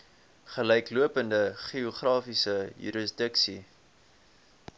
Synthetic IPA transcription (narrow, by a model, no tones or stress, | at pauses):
χəlɛjkluəpəndəχioχrɑːfisəjy̰ɾisdəksi